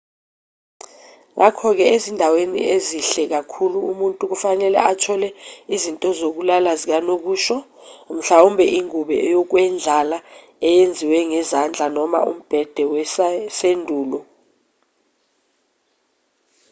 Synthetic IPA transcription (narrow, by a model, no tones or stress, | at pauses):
ŋʔakʰɔk̬ɛezindʱawenḭeziɬɛk̬akʰuluumuntʼuk̬ufanɛlɛ̰at͡ʃʰɔlɛizintʼɔzok̬ulalazik̬anok̬uːʃɔ | m̩ɬaumbʱɛʔiŋuɓɛ̰jɔk̬wɛnd͡ɮʱala | ɛjend͡zʱiwɛŋɛzand͡ɮʱanɔma̰ṵm̩b̥ʱɛd̥ʱɛwɛssendʱuːlɔ